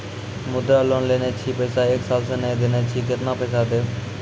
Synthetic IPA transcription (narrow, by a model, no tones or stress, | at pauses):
mʊd̪ɾaːloːnleːnet͡ʃʰiːpəːsaːeːksaːlsəneːd̪eneːt͡ʃʰiːkɪt̪naːpəːsaːd̪eː